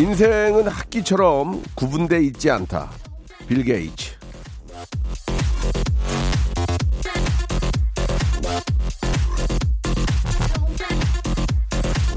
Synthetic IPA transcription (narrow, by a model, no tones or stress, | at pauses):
ins̬ʰeŋɯnhak̚k͈it͡ɕʰʌɾʌmkubunde̞it̚t͡ɕ͈iantʰa̰ | pilɡeḭt͡ɕʰ